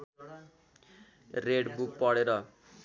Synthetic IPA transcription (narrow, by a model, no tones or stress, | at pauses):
reɽbuk̚pʌɽeɾʌ